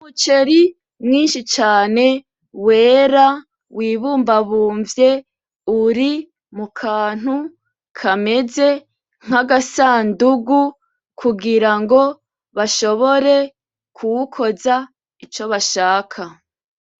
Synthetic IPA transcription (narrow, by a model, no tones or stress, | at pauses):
umut͡ʃe̞ɾi | mŋiːnʃit͡ʃaːne̞ | we̞ːɾa | wiːβuːmbaβuːɱvje̞ | uɾi | mukʰaːn̥hu | kʰame̞ze̞ | ŋ̥aɡasaːnduɡu | kʰuɡiɾaŋɡo̞ | βaʃo̞βo̞ɾe̞ | kʰuwukʰo̞za | it͡ʃo̞βaʃaːkʰa